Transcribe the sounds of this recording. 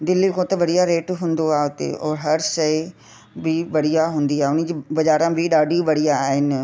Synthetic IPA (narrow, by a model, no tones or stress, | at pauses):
d̪ɪlːikʰõːt̪ɐʋɐɽijaɾeːʈɦũːn̆d̪oaːɦeɦʊt̪ḛɔːɾɦɐɾʃɐɪ | bɪʋɐɽ̤ijaɦũːn̆d̪iaːɦeʊn̤ɪ̆d͡ʑiːbɐd͡ʑaːɾãbɪɗaːɖʱiʋɐɽijaːɦɪnɪ̆